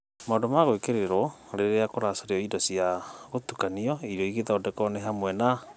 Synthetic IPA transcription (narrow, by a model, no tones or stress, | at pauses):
maodomaɣoekeɾeɾɔɾeɾeakoɾasoɾeɔidɔsiaɣotukaniɔiɾɔiɣeðɔːdɛkɔneɦamwɛna